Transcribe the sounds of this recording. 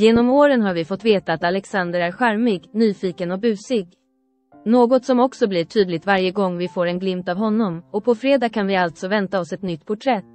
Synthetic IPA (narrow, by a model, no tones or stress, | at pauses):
jeːnɔmoːɾənɦaɾvɪfɔt̪ːveːt̪aːt̪alɛksand̪əɾæɾɧaɾmɪɡnyːfiːkənɔbʉ̟ːsɪɡ | noːɡɔt̪sɔmɔksɔblɪʈʰyːd̪lɪɡ̚t̪vaɾjəɡɔŋːvɪfoːɾɛnɡlɪmt̪avɦɔnːɔmɔpʰɔfɾeːd̪aːkʰanvɪalt̪sɔvɛnt̪aɔsɛt̪nʏt̪ːpʰʊʈʰɾɛt̪ː